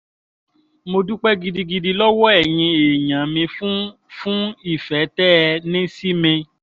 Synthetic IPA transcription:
mo˧du˦k͡pɛ˦ɡi˧di˧ɡi˧di˧lɔ˦wɔ˦ɛ˦˨jĩ˧e˨ɲã˨mĩ˧fũ˦ | fũ˦i˦˨fɛ˨˦tɛ˦˧nĩ˦si˦mĩ˧

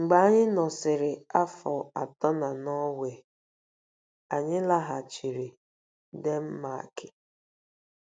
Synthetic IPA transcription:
ŋ͡m̩˨ɡ͡ba˦a˦ɲɪ˦nɔ˨sɪ˨ɾɪ˨a˦fɔ˨a̰˨tɔ˦na˨nɔ˦we˨ | a˨ɲɪ˦la˦ɦa˨t͡ʃi˨ɾi˨ | de˦m̩˦ma̰˨kɪ̥˨

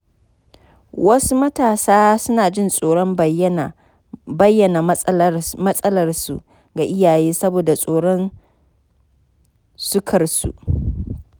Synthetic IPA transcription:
wɐ˦su˦mɐ˦taː˨saː˦sʊ˦naː˨d͡ʒɪ˦˨nsʼoː˨ɽɔ˦m | bɐ˦jːɐ˨na˨ | mɐ˦sʼɐ˦lɐ˨rsṵ˨ʔ | ɡa˨ʔɪ˦jaː˨jeː˦sɐ˦boː˨da˨sʼoː˨ɽɔ˦n | sʊ˦kʰɐ˨rsṵ˨ʔ

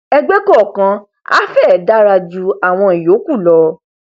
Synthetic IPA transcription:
ɛ˧ɡ͡be˦kɔ˦˨kã˧ | a̰˦fɛ˦˨da˦ɾa˧d͡ʒu˧a˨w̃ɔ̃˧i˨jo˨˦ku˦˨lɔ˨˧

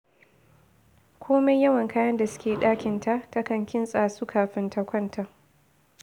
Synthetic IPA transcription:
kʷʰoː˦me˦jɐ˦wɐ˨ŋkaː˦jɐ˦nda˨sʊ̥˦kʲeː˨ɗaː˦kʲɪ˨nta˦ʔta˦kɐ˨ŋkʲɪ˦nsʼaː˨suː˦kʰaː˨ɸɪ˦nta˦kʷɐ˦ntʰa˦˨

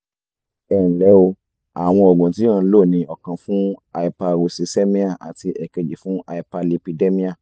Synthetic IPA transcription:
ɛ˦˨lɛ˨˦o˧ | a̰˨w̃ɔ̃˧ɔ˨ɡũ˨tĩ˨˦ã˦˧˦lo˦˨nĩ˧ɔ˨kã˧fũ˦a˧i˨pa˧ɾo˨si˨se˦mĩ˦a˦˨ʔa̰˨ti˧ʔɛ˨ke˧˨d͡ʒi˨fũ˨˦a˧i˨pa˧le˧pi˧de˦mĩ˦a˦˨

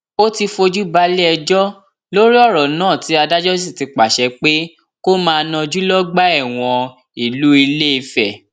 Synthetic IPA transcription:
o˦ti˧fo˧d͡ʒu˦ba˨˦lɛ˦ɛ˧d͡ʒɔ˦ | lo˦ɾi˦ɔ˦˨ɾɔ˨nãː˦˨ti˨˦a˧da˦d͡ʒɔ˦s̬i˦˨ti˨˧k͡pa˨ʃɛ˨˦k͡pe˦ | ko˦mãː˧nã˧d͡ʒu˦lɔ˦ɡ͡ba˦ɛ˦˨w̃ɔ̃˧ | i˦˨lu˨˦i˧le˦i˧fɛ˨

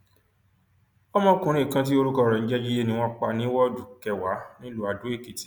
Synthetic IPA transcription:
ɔ˦mɔ̃˦kũ˨ɾ̃ĩ˦˨kã˧t̬i˦o˧ɾu˦kɔ˧˦˨ɾɔ˨ñ̩˦d͡ʒɛ˦d͡ʒi˦je˦nĩ˧w̃ɔ̃˦k͡pa˧nĩ˦wɔ˦du˨kɛ˨wa˨˦nĩ˦lu˧˦a˧dũ˨˦e˦˨ke˨ti̥˨

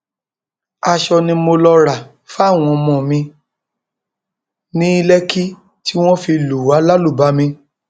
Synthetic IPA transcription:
a˧ʃɔ˧nĩ˧mo˧lɔ˧ɾa˨ | fa˦˨w̃ɔ̃˧mɔ̃˨mĩ˧ | nĩ˦i˦lɛ˦ki˦ | ti˦w̃ɔ̃˦fi˧lu˨wa˨˦la˦lu˦˨ba˨˦mĩ˧

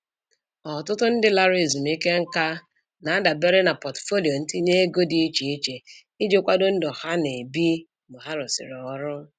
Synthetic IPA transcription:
ɔ˨tʊ˦tʊ˦n̩˦dɪ˦la˦ɾe˨zu˨m̩˨˦i˦ke˦ŋ̩˦ka˦ | na˨a˦da˨be˦ɾe˦na˨pɔ˨tfo˦li˨o˨n̩˦tɪ˦ne˦e˦ɡo˦di˨˦t͡ʃi˨i˦t͡ʃe˨ | i˦d͡ʒo˦kʷa˦dʊ˦n̩˦dɔ˨ha˦ne˨bi˦ | bʊ˨ɦa˦ɾʊ˨sɪ̰˨ɾɔ˦ɾʊ˦

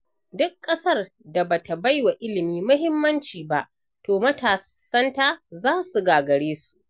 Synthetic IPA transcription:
dʊ˦kʼːɐ˦sɐ˦r | da˨ba˨ta˨ba˦jwa˨ʔɪ˦lɪ˨miː˦mʊ˦ɦɪ˦mːɐ˦nt͡ʃiː˨ba˦˨ʔ | toː˨mɐ˦taː˨sɐ˦nta˦zaː˦su˨ɡaː˨ɡɐ˨ɽeː˦su̥˦ʔ

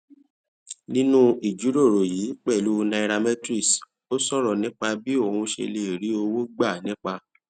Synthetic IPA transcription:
nĩ˦nũ˦i˨d͡ʒu˨˦ɾo˦˨ɾo˨jiː˨˦k͡pɛ˦˨lu˦nã˧i˧ɾa˧mɛ̃˦tɾi˦˨s | o˦sɔ˦˨ɾɔ˨nĩ˦k͡pa˧bi˦o˦˨hũ˧ʃḛ˧le˧˨ɾi˨˦o˧wo˦ɡ͡ba˦˨nĩ˦k͡pa˧

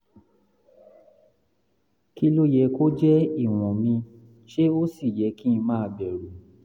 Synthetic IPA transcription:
ki˦˧lo˦jɛ˧˦ko˦d͡ʒɛ˦i˦˨w̃ɔ̃˨mĩ˧ | ʃe˦o˦si˦˨jɛ˨˦kĩ˦˧mãː˦˧bɛ˨ɾu˨

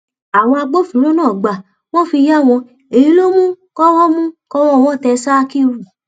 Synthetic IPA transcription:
a˨w̃ɔ̃˧a˧ɡ͡bo˦fũ˨lo˦nãː˦˨ɡ͡ba˨ | w̃ɔ̃˦fi˧ja˦˨w̃ɔ̃˧ | e˨i˨˦lo˦mũ˦kɔ˦wɔ˦mũ˦kɔ˦wɔ˦˧w̃ɔ̃˦˨tɛ˧sa˦˧ki˦wu˦˨

